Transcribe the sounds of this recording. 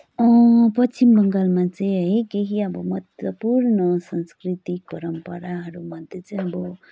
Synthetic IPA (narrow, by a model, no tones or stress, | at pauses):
ʌ̃pʌt͡ʃimbʌŋɡalmat͡saĩɦəjkeɦiʌbʌmʌt̪wʌpuɾnʌsʌnskɾit̪ik̚pʌɾʌmpʌɾaɦʌɾumʌnt̪et͡saĩʌbʌ